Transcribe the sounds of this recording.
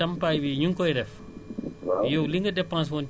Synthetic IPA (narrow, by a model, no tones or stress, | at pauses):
ɐmpajwiɲuŋkɔjdɛf | joliŋɡɐdɛpãns̬wɔn